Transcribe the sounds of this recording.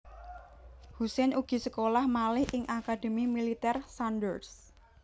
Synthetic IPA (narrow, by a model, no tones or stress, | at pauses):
husɛnuɡ̥i̤səkolahmalɪhʔɪŋʔakad̪̥ə̤mimilit̪ɛrsanɖərs